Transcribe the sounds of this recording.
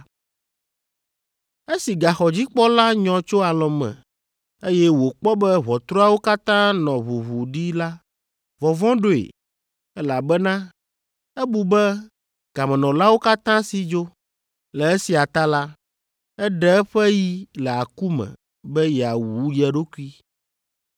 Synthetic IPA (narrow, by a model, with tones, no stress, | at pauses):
e˦si˨ɡa˨xɔ˨d͡ʑi˦k͡pɔ˦la˦ɲɔ̃˨t͡ʃo˦a˨lɔ̃˨mɛ̰̃˨ | e˦jɛ˦wo˨k͡pɔ˦bɛ˦βɔ˨t̪ɾo˦a˦wo˦ka˦t̪ã˦nɔ̃˨βu˨βu˨ɖi˦la˦ | vɔ˨vɔ̃˦ɖo˦ḛ˨ | ɛ˦la˨bɛ˦nã˦ | ɛ˦bu˨bɛ˦ | ɡ̥a˨mɛ̃˨nɔ̃˨la˦wo˦ka˦t̪ã˦si˨d͡ʒo˦ | lɛ˨e˦si˨a˨t̪a˦la˦ | ɛ˦ɖɛ˦ɛ˦ɸɛ˦ji˦lɛ˨a˨ku˦mɛ̰̃˨ | bɛ˦jɛ˨a˨wu˨˦ɖi˦ɛ˨ɖo˦ku˦i˦